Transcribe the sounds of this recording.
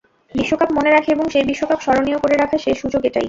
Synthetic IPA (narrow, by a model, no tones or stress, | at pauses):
biʃːokapmoneɾakʰeeboŋʃebiʃːokapʃɔɾoniokoɾeɾakʰaʃeʃud͡ʑoɡeʈa̰j